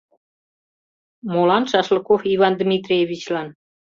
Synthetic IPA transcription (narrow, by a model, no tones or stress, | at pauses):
molɑnʃɑʃləkofiβɑnd̪mʲit̪rʲieβʲit͡ɕlɑn